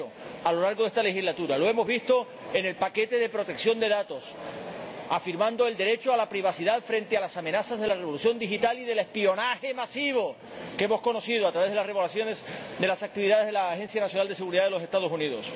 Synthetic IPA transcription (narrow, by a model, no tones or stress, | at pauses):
o | alo̞laɾɣo̞ðe̞st̪ale̞xizlat̪uɾalo̞e̞mo̞zβist̪o̞ | e̞ne̞lpake̞t̪e̞ðe̞pɾo̞t̪e̞ksjo̞nd̪e̞ðat̪o̞s | afiɾmãnd̪o̞e̞ld̪e̞ɾe̞t͡ʃoalapɾiβ̞asiðaðfɾe̞nt̪e̞alasamẽ̞nasazðe̞lareo̞luθjõ̞nd̪ixit̪aliðe̞le̞spio̞nahe̞masiβ̞o̞ | ke̞mo̞sko̞no̞sið̞oat̪ɾaβe̞ðelare̞βolasjo̞ne̞sd̪e̞lasak̚t̪iβiðaðe̞zðelaxe̞nsθjanasjoald̪e̞se̞ɣuɾiðaðelo̞se̞st̪að̞o̞suniðo̞s